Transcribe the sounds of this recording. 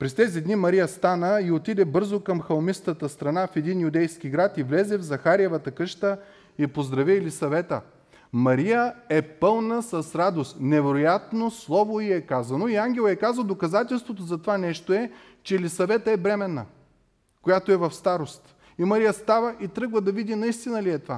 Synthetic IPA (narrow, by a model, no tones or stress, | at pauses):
pɾɛst̪ɛzid̪nimɐɾijəst̪anəiot̪id̪ɛbɤɾzokɐmxɐlˠmist̪ət̪əst̪ɾɐnafɛd̪injud̪ɛjsk̟ʲiɡɾat̪ivlɛzɛvzɐxaɾiɛvɐt̪əkɤʃt̪ə | ipozd̪ɾɐviɛlisɐvɛt̪ə | mɐɾijəɛpɤlˠnəsɐsɾad̪ost̪nɛvɛɾojat̪noslˠɔvoiɛkazɐnoiaŋɡʲɛlˠɛkazəlˠd̪okɐzat̪ɛlˠst̪vot̪ozɐt̪ovanɛʃt̪oɛ | t͡ʃɛlisɐvɛt̪əɛbɾɛmɛnːə̰ | kojat̪oɛvɐfst̪aɾost̪ | imɐɾijəst̪avəʔit̪ɾɤɡlˠəd̪ɐvid̪inɐist̪inəliɛt̪ova